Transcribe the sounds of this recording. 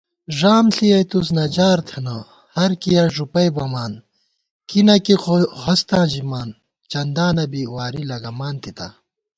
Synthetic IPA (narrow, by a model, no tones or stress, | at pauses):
ʐaːmɬiɐjt̪us̬nɐd͡ʑaːɾt̪ʰeno | hɐɾkijɐʐupɐjbɐmaːn | kinɐkixohɐst̪ãːʑimaːn | t͡ɕɐnd̪aːnɐbiwaːɾilɐɡɐmaːnt̪it̪ɐ̰